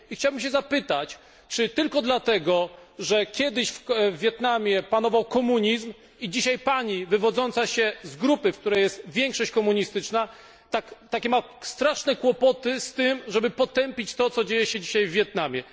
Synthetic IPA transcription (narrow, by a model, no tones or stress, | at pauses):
ixt͡ɕawbɘmɕ̬ɛzapɘt̪at͡ɕ | t͡ʂɘt̪ɘlkɔd̪lat̪ɛɡɔʐɛkʲjɛd̪ɘɕfvʲːjɛt̪namʲjɛpanɔvawkɔmuɲizm | id͡ʑiɕajpaɲivɘvɔd̪zɔnt̪saɕɛzɡɾupɘfk̚t̪uɾɛjɛst̪vʲjɛŋkʂɔɕt͡ɕkɔmuɲist̪ɘt͡ʂna | t̪akt̪akʲɛmast̪ɾaʂnɛkwɔpɔt̪ɘst̪ɘmʐɛbɘpɔt̪ɛmpʲit͡ɕt̪ɔt̪sɔd͡ʑejɛɕɛd͡ʑiɕajvːʲjɛt̪namʲjɛ